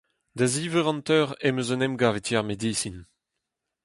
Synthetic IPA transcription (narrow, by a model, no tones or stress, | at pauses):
d̪aziːvɛʁɑ̃nt̪œːʁɛmøzənɛmɡaːvet̪jɛʁmed̪iːsin